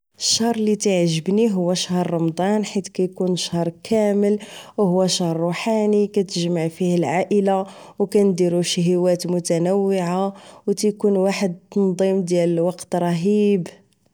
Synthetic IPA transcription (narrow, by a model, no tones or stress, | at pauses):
əʃːɑhɾˤlit̪iʕʒəbniɦʊwːæʃhɾˤːɑmd̪ˤɑnħit̪kæjkunʃhɾˤkʰæməlwhʊwːæʃɑhɾˤːuħanikæt̪əʒmaʕfihəlʕaʔəla | wkænd̪iɾuʃɦəwæt̪mʊt̪ænəwːɪʕawt̪æjkunwaħəd̪̚t̪ɑnd̪ˤimd̪jæləlwɑqt̪ɾˤɑɦib